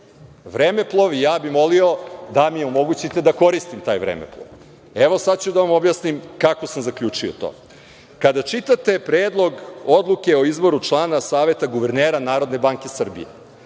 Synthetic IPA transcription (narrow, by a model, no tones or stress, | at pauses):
ʋɾeːmeplˠoʋijaːbimo̞lio̞d̪amijeomo̞ɡut͡ɕit̪e̞d̪ako̞ɾist̪imt̪aːjʋɾḛmḛplˠo̰ʋ | eʋosad̪t͡ɕud̪aʋamo̞bjasnimkako̞samzakʎʲuːt͡ʃiot̪o̰ː | kad̪at͡ʃit̪at̪e̞pɾeːd̪lˠo̞ɡod̪lˠuke̞o̞izbo̞ɾut͡ʂlˠaːnasaːʋe̞t̪aɡuʋeɾneːɾanaːɾo̞d̪ne̞baːŋke̞sr̩bḭjḛ